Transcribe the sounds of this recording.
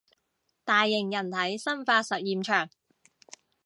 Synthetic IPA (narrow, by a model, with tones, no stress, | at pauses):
t̪aː˨jːɪ˨˩ŋjɐ˨˩nt̪ʰɐ˨˥jsɐ˥nfaː˧t̚sɐ˨t̚jiː˨mt͡ʃʰœː˨˩ŋ